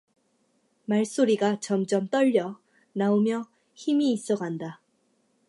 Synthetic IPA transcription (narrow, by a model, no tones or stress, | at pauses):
maɭs͈oɾiɡat͡ɕʌmt͡ɕ͈ʌmt͈ʌʎːʌ | naomjʌ | çimiːs͈ʌɡanda